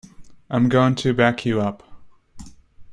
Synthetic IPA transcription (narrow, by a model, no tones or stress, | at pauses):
ʔãɪ̃mɡoʊɪ̃ŋtʰɨbækʰjɨʌp